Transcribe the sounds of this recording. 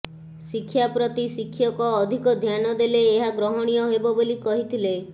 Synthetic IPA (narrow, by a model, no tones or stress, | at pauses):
sikʰːjapɾɔt̪isikʰːjɔkɔːd̪ʱikɔd̪ʱjanɔd̪eleːɦaɡɾɔɦɔɽ̃ijɔɦebɔbolikɔɦit̪ʰile